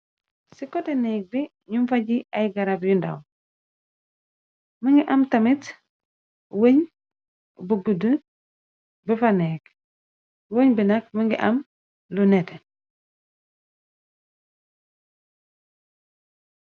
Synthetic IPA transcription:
sikoteneːɡ̚bi | ɲumfaɟiajɡaɾabjunda̰w | miŋɡiʔamtamit | woɲ | buɡudu | bifaneːk | woɲbinak̚miŋɡiʔam | lunete

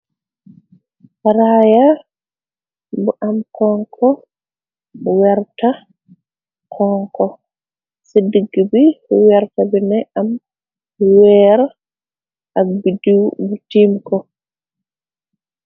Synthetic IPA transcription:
haɾaja | bɔʔamkʰɔŋkʰɔ | wɛɾta | kʰɔŋkɔ | sediɡːibiwɛɾtabɛnɛʔam | wɛːɾ | ʔabidubutimkɔ

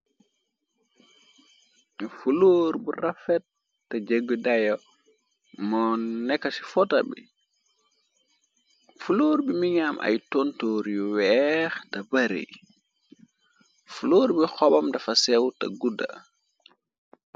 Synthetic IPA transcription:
fuloːɾburafɛtː | ɐd͡ʒeɡːədajɔ | mɔnːɛkːɐsi̥fɔtabḭ | fuloːɾbimiɲamʔɐ̰jtontoːɾjuwɛxtɐbɐɾḭ | fuloːɾbixɔbɐmdɐfɐsɛwtɐ̰ɡuda̰

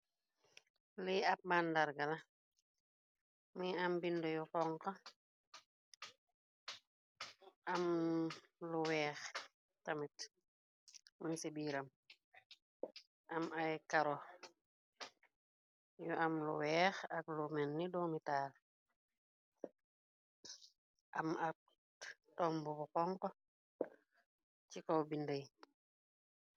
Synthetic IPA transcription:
liɐp̚mandaɾɡɐlɐ | miambindɔjukɔŋkɐ | ʔɐm | luwɛːx | tɐmit | mənsibiːɾɐm | ʔamajkaɾɔ | juʔamlṵwɛːxaklumɛnːidɔːmitaːl | ʔamak̚ | tɔmbubukɔŋkɔ | cikɔwbindəj

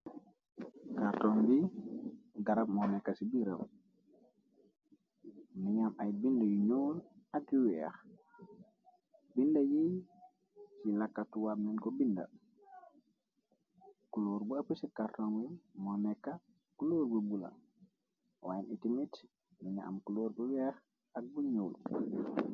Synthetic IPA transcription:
kaɾtɔŋbi | ɡaɾabmɔnɛkːasibiɾa̰m | miɲamajbindajuɲoːlakjuwia̰x | bindajij | silakːatuwabnɛnkobinda̰ | kuloɾbuapusikatoŋwimɔnɛkːa | kuloːɾbubula̰ | wajanitimit | niɲa̰ːmkuloːɾbuwɛx | ak̚buɲul

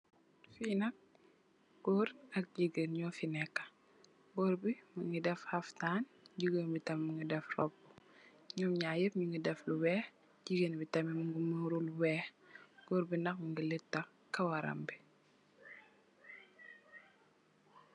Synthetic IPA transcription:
fiːnɐk̚ | bɔːɾɐk̚ɟiɡənɲɔfinɛkːɐ̥ | bɔːɾbimuŋɡidɛfhɐftaːnɟiɡənbitɐmmuŋɡidɛfrɔb̚ | ɲɔmɲaːjəp̚ɲuŋɡidɛfluwɛːx | ɟiɡənbitɐmimuŋɡumuɾuluwɛːxɡ̥ɔɾbinɐkməŋɡilitːɐ | kɐwɐɾɐ̰mbi

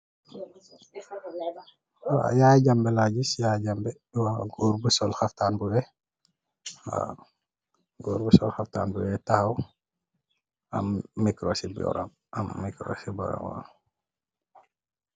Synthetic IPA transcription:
a̰jaːɟambɛlaɟisjaːɟambɛɗwaɡoɾbusɔlxɐftaːnbuwɛ | a̰ | ɡoːɾbusɔ̰lxɐfta̰ːnbuwɛtahɐw | ɐ̰mːikɾosibɔ̰ɾa̰m | ʔɐmːikɾo̰sibɔ̰ɾa̰mɔ̰

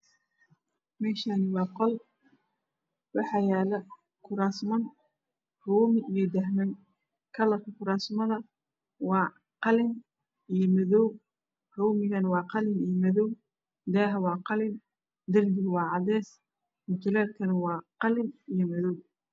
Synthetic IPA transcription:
mɛːʃanɪwɑːqɔl | wɑħɑjɛːlɐ | kʰʊɾaːsmɐn | rɔːmɪijɞd̪ɐhmɐŋ | kʰɐlɐkʰɐkʰʊɾaːsmɐðɐ | wɑː | qɑlɪn | ijɔmɐðɔw | rɔwmɪɣɐnɐwɑːqɑlɪnijɔmɐðɔw | d̪ɛːɦɐwɑːqɑlɪn | d̪ɐrbɪwɑːʕɑðɛːs | mʊt̪ʰʊlɛːlkʰɐnɐwɑːqɑlɪnijɞmɐðɔw

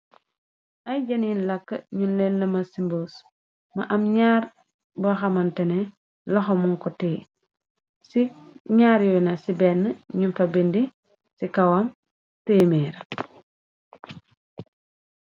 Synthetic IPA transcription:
ʔɐjɟɐninlɐkːɐ̰ɲunlɛnːɐmɐsimboːs | mɐ̰ʔɐmɲaːɾ | bɐxɐmɐntɛnɛ | lɐxɔmuŋkɔtɛː | siɲaːɾjɔnɐsibɛnːəɲunfɐbendi | sikɐwam | teːmɛɾɐ

